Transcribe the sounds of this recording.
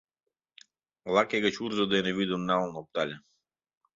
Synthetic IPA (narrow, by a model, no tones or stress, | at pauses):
lˠakɛɡat͡ʃuɾzɔd̪aɛnɛvid̪ɔmnaɔlˠnɔp̚t̪aʎʲa